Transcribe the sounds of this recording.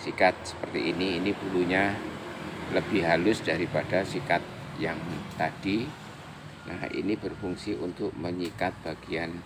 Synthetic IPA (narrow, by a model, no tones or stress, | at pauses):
sikat̪̚sə̥pərt̪ḭːniːnipuluɲa | ləbɪhɦalʊsdaɾipadasikat̪̚jaŋt̪adi | nʔa̰hʔḭnibərfuŋsiʔunt̪ʊk̚məŋikat̪̚b̥aɡ̥ian